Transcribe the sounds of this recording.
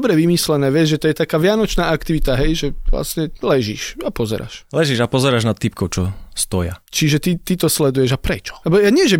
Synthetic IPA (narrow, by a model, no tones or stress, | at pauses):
bɾɛʋimislɛnɛːʋɛzʒɛt̪ɔjɛt̪akaːʋɪanɔt͡ʃnaːakt̪iʋit̪aɦɛjʒɛʋla̰sɲɛlɛʒḭʃapɔzɛ̰ɾa̰ːʃlɛʒiʒapɔzɛɾaːʒnat̪ːip̚kɔʊt͡ʃɔst̪ɔja̰t͡ʃiʒɛt̪it̪it̪ɔslɛd̪ujɛʒapɾɛt͡ʃɔ̥lɛbɔjaɲɪɛʒɛ